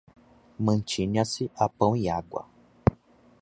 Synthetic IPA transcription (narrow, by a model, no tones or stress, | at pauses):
mɐ̃t͡ʃiɲɐsɪʔapɐ̃w̃iaɡwɐ̰